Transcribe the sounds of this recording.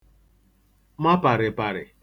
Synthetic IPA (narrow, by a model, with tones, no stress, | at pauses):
ma˦pa˨ɾɪ˨pa˨ɾɪ˨